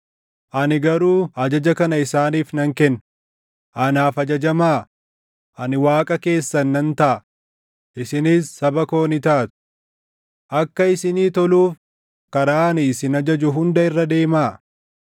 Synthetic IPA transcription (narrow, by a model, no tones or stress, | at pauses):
ʔɐnɪɡɐɾuːɐd͡ʒɐd͡ʒɐkɐnɐɪsaːniːfnɐŋkɛnː | ʔɐnaːfɐd͡ʒɐd͡ʒɐmaː | ʔɐnɪwaːkʼɐke̞ːsːɐnːɐnt̪ɐʔɐ | ʔɪsɪniːsːɐbɐko̞ːnɪt̪aːt̪ʊ̥ | ʔɐkːɐɪsɪniːt̪ɔluːf | kɐɾaːnɪːsɪnɐd͡ʒɐd͡ʒʊɦʊnd̪ɐɪrːɐd̪e̞ːmaː